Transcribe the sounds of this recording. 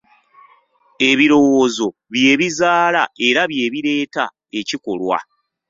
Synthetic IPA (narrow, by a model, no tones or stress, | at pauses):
e̞βiɾo̞woːzo̞βje̞ːβizaːlae̞ɾaβje̞ːβiɾe̞ːta̰ | e̞ciko̞̰lwa̰